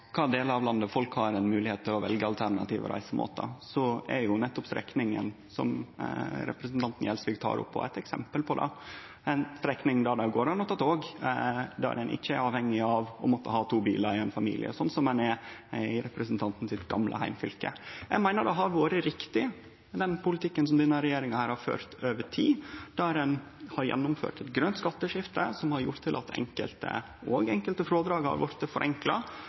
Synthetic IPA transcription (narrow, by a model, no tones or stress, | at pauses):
kʰɑːd̪eːləɾɑʋlɑnd̪əfɔlkhɑɾɛnmʉːlɪheːt̪ːɪlɔʋɛlɡəɑlt̪ʰæɾɳɑ̰t̪iːʋə̰ɾʔæ̰ɪsəmʔo̰ːt̪ə̰sɔɛjʊnɛt̪ːɔpst̪ɾɛ̰knɪŋə̰n | sɔ̰m | ɾɛ̰pɾəsnt̪ɑnt̪n̩jɛlsʋɪɡt̪ʰɑ̰ːɾʊ̰pʰːɔ̰æ̰ɪt̪ɛksɛmpəlpʰɔd̪ɑ̰ | ɛnst̪ɾɛknɪŋd̪ɑd̪ɑɡoːɾɑnɔt̪ːɑt̪ʰoːɡ | d̪æ̰ɾdɛnʔɪ̰çːəæɾɑːʋhɛŋːɪɑʋɔ̰mɔt̪ːəhɑːt̪ʰuːbḭːləɾɪɛnfɑmḭːlʔɪ̰ə̰sɔnːsɔmɛnɛɪɾɛpɾəsənt̪ʰɑnt̪n̩sɪt̪ɡɑ̰mlʔə̰hæɪmfʏlkə̰jæ̰ɡmæɪnəɖɛɦɑɾʋoːɾəɾɪkt̪ɪ | d̪ɛnpʊlɪt̪ʰɪkːəns̬ɔmd̪ɛnːəɾɛjeːɾɪŋɑhæːɾhɑɾfø̰ːɾt̪øːʋəʈʰiːd̪̥æɾɛn | hɑɾjɛ̰nːʊmfø̰ːʈɛt̪ɡɾœnt̪skɑt̪ːəʂɪft̪əsɔmhɑɾjʊʈt̪ʰːɪlʔɑ̰t̪ʰɛ̰ŋkə̰lt̪ə̰ | oːɡɛŋkəlt̪əfɾoːd̪ɾɑːɡhɑ̰ɾʋɔ̰ɾt̪ːəfɔɾʔɛŋklɑ